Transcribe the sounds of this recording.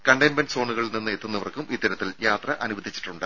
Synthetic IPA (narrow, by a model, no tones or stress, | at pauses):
kɐɳɖɐjnmeɳɖso̞ːɳuɣɐɭilninːɨet̪ːunːɐʋɐrkumit̪ːɐɾɐt̪ːiljaːt̪rɐʔɐnuʋɐd̪ʱit͡ɕːi̥ʈːuɳɖɨ